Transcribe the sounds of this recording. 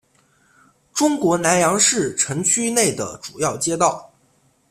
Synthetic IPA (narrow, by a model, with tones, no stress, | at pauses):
ʈ͡ʂʊ˥ŋkwɔ˧˥na˧˥njɑ˧˥ŋʂɻ̩˥˩ʈ͡ʂʰɤ˧˥ŋt͡ɕʰy˥ne˥˩ɪd̪ə̰˩ʈ͡ʂu˨˩jɑ˥˩ʊt͡ɕjɛ˥t̪ɑ˥˩ʊ